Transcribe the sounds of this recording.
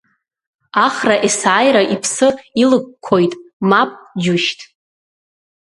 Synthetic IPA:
aχraʔisajɾaʔipʰsɨilɨk̚ʷkʷʰːojtʼmapʼd͡ʒuʃtʰʼ

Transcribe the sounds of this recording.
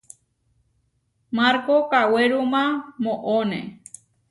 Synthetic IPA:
maɾkokaweɾumãmõʔonḛ

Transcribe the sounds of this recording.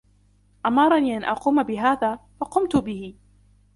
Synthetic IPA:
ʔamɑɾˤɑniːʔanʔɑquːmabɪɦaːðaːfɑqʊmt̪ʊbɪhɪ

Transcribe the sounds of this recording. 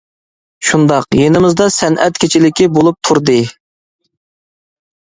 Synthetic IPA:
ʃund̪ɑqjenɪmɪzd̪ɑsɛnʔɛt̪̚kʲʰet͡ʃʰilɪkʲibolˠup̚t̪ʰuɾd̪ɨ

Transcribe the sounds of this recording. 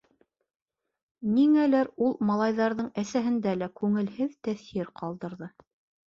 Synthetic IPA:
niŋælæɾulˠmɑlˠɑjðɑɾðɤɴæsæɦɘ̆nd̪ælækʉŋɘ̆lhɘðt̪æθiɾqɑlˠd̪ɤ̆ɾðɤ

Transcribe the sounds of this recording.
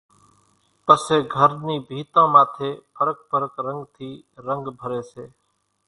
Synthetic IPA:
pəseːɡʱəɾniːbʱiːt̪ãːmãːt̪ʰeːpʰəɾək̚pəɾəkɾəŋɡt̪ʰiːɾəŋɡbʱəɾeːseː

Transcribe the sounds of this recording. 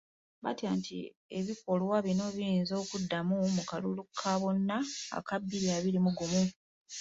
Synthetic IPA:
βa̰tiaːntʰḭ | e̞βiko̞lwaβino̞βinzo̞ːkudːamumukalulukʰːaβo̞nːa̰ːkabːiɾiaβilimuɡumu

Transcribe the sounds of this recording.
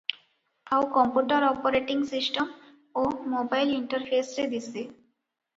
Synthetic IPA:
awkɔmpuʈaɾɔpoɾeʈiŋsisʈem | omobajliɳʈaɾfʰesɾed̪isʰi

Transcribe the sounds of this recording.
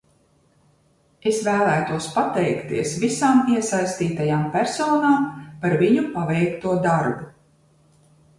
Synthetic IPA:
esvæːlˠæːt̪uɔspat̪ɛjkt̪ḭɛsvisaːmiɛsajst̪iːt̪ajaːmpʲæɾsɔːnaːmpaɾviɲupavɛjkt̪uɔd̪aɾbu

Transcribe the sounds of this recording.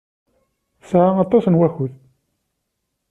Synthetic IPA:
sʕaɑt̪ˤːɑsnwæçʊð

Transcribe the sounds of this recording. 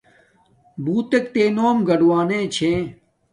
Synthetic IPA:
buːt̪ekt̪eːnoːmɡɐɖwaːnẽːt͡ɕʰẽː

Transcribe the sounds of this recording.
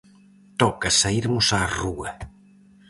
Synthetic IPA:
t̪ɔkɐsaiɾmʊsaruɐ

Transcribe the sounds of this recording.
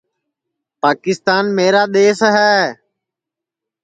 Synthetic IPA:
paːkɪst̪aːnmeːɾaːɗ̪eːsɦɛː

